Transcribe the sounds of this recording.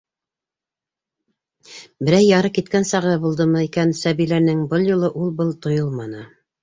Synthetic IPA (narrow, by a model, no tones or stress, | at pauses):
bɘ̆ɾæjːɑɾɤkit̪̚kænsɑʁɤbulˠd̪ɤmɤikænsæβilænɘŋbɤlˠjulˠɤʔulˠbɤlˠt̪ŏjolˠmɑnɤ